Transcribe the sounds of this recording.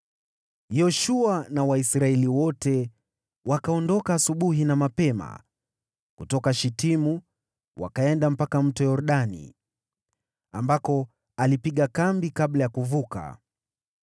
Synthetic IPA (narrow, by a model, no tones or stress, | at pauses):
jɔʃuanawaisɾaɛliwɔtɛ | wakaɔndɔkaːsuɓuɦinamapɛma̰ | kutɔkaʃitimu | wa̰kaɛndam̩pakam̩tɔjɔɾɗanḭ | ambakɔ | alipiɠakambikaɓlajakuvuka̰